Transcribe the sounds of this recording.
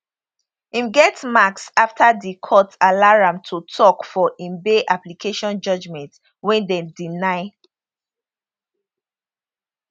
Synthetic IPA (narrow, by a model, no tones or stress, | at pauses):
ĩmɡɛtmaksaftʰadikʰɔtalaɹãmtʰutʰɔkfɔʔĩmbeʔaplikʰeʃɔ̃nd͡ʒɔd͡ʒmɛ̃nt | wɛ̃ndɛ̃dinaɪ